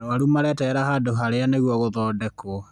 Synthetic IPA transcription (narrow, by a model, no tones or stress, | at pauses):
oaɾumaɾɛtɛɾahadoɦaɾeaneɣwɔɣoðɔːdɛko